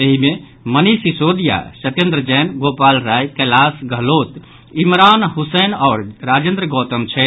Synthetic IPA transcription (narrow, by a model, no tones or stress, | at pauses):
eɦime | mənisisod̪ija̰sət̪ẽnd̪ɾəd͡ʒɛːnɡopalɾajkəlasɡʱəlot̪ | imɾanɦusɛnɔːɾɾad͡ʒẽnd̪ɾəɡɔt̪əmt͡ʃʰɛ